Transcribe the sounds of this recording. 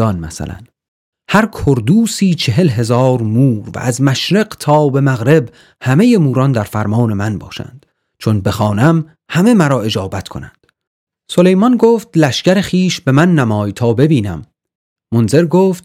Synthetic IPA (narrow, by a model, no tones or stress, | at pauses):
ɒnmæ̰sæ̰læ̰n | hæɾkʰoɾd̪uːsiːt͡ʃʰe̞ɦe̞lɦe̞zɒːɾmuːɾvæ̰ʔæzmæʃɾeɢt̪ʰɒːbe̞mæɣɾe̞b | hæme̞je̞muːɾɒnd̪æɾfæɾmɒːne̞mænbɒ̰ːʃæ̰nd̪̥ | t͡ʃʰonbe̞xɒːnæm | hæme̞mæɾɒːe̞d͡ʒɒːbæt̪kʰo̞næ̰nd̪̥ | so̞le̞jmɒnɡoːft̪læʃcæɾe̞xiːʃbe̞mænːæmɒːjt̪ʰɒːbe̞biːnæmː | onze̞ɾɡoːft̪